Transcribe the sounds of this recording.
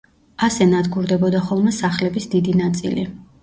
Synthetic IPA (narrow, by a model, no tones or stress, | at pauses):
asɛnad̪ɡuɾd̪ɛbɔd̪aχɔlˠmɛsaχlɛbisd̪id̪inat̪sʼḭli